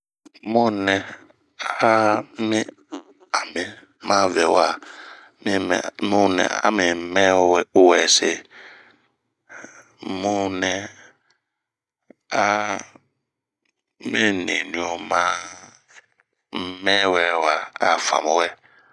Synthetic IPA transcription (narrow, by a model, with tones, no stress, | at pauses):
mɔ̃˦nɛ˨ | a˦mi˦ | a˨me˨ | mã˦vɛ˨wa˨ | mḭ˦˨mũ˦nɛ̰˨a̰˦me˨˦mɛ˦ʊ˦wɛ˨se˦ | mɔ̃˦nɛ˨ | a˦ | mẽ˦nḛ˨nũ˨o˨mã˦ | mɛ˦˨wɛ˨wa˨a̰˨fa̰˨mõ˦wɛ˦